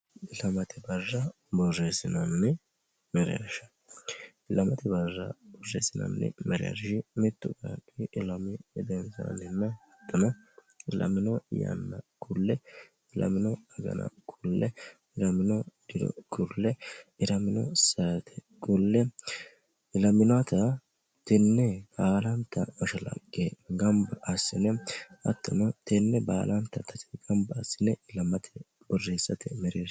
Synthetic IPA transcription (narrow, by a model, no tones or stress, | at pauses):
lɐmɐt̪ɪbɐrːɐ | bɔrːeːsɪnɐnːɛ | mɛɾɪjɐ̰ʃɐ̥ | lɐmɐt̪ɪbɐrːɐ̰b̥ɔrːḛːsɪnɐ̰nːɛ̰mɛɾɪja̰ɾʃɪmɪt̪ːʊɡa̰ᶑɪɪlɐmɪɛd̪ɛnsa̰nɪnːɐhɐt̪ːɐnɐ | lɐ̰mɪnɔjɐ̰nːɐkʰʼʊlːɛ | ɪlɐ̰mɪnɔɐɡɐ̰nɐ̰kʰʼʊlːɛ | ɪɾɐmɪnɔd̪ɪd̪ɔ̰kʰʼʊlːɛɪɾɐmɪnɔ̰sɐɾt̪ʰɛ̥kʼʊlːɛ | ɪlɐmɪnɔat̪ɐ | t̪ɛnːɛbaːlɐnt̪ːɐmɐʃɐlɐ̰kʼːeɡɐmbɐʔɐsːɪnɛɐt̪ːɔnɐt̪ɛnːɛbaːlɐnt̪ːɐt̪ɐt̪ɛɡɐmbɐːsːɪnɛɪlɐmɐt̪ʰɛ̥ | bɔreːsːɐt̪ʰɛmɛɾeː